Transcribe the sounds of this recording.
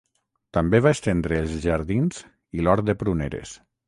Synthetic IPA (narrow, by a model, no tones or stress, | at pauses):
t̪ambeβaest̪end̪ɾeːlˠzʒaɾðinz | ilɔɾd̪epɾuneɾḛs